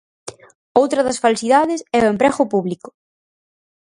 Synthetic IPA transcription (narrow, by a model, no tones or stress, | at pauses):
owt̪ɾɐðɐsfalsiðaðɪsɛʊempɾɛɣʊpuβlikʊ̥